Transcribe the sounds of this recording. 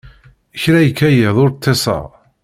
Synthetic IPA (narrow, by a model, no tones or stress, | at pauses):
əçɾæjəkːæjəðˤʊɾt̪ʰˤːesˤɑ̰ʁ